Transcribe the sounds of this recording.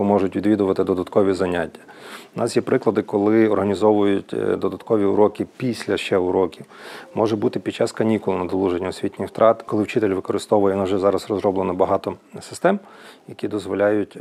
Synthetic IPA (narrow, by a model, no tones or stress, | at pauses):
mɔʒʊtʲʋʲid̪ʋʲid̪ʊʋɐt̪ɪd̪ɔd̪ɐt̪kɔʋʲizɐnʲatʲːɐ̥ʊnɑsjɛpɾɪklˠɐd̪ɪkɔlˠɪɔrɦɐnʲizɔʋʊjʊtʲd̪ɔd̪ɐt̪kɔʋʲiʊɾɔkɪpʲisʲlʲɐʃt͡ʃɛʊɾɔkʲiwmɔʒɛbut̪ɪpʲid̥̚t͡ʃɑskɐnʲikʊlˠʊnɐd̪ɔlˠuʒenʲːɐɔsʲʋʲitʲnʲɪxwt̪ɾɑt̪kɔlˠɪwt͡ʃɪt̪elʲʋɪkɔɾɪst̪ɔʋʊjɛnɔʒɛzɑɾɐsrɔzɾɔblˠenɐbɐɦɑt̪ɔsɪ̥st̪ɛm | jɐkʲid̪ɔzʋɔlʲɑjʊtʲ